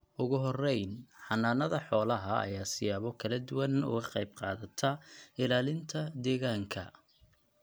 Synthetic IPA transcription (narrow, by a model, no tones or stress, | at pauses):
ʔʊɣʊɦɔrɛjnħɑnːaːnɐðɐħɔːlɐɦɐɐ̰jaːsɪjaːβɔkʰɐlɐd̪ʊwɐnʊ̰ɣɐqɑjb̚qɑːðɐt̪ʰɐɪlaːlɪnt̪ʰɐd̪ɛːɣaːŋkʰɐ̰